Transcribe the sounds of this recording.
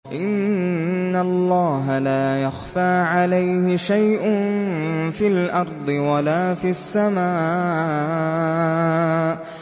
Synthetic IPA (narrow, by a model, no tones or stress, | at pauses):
ʔɪnː | alˤːɑːɦalaːjaxfaːʕalajhɪʃajʔʊnfiːlʔɑɾˤd̪ˤɨwalaːfiasːamaː